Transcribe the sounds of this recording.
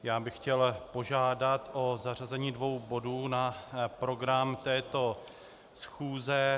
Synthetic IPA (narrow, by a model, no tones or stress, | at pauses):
jaːbɪxcɛlpo̞ʒaːdat̪ʔo̞zarazɛɲiːdvo̞wbo̞duːnapɾo̞ɡɾamt̪ɛːt̪o̞ | sxuːzɛ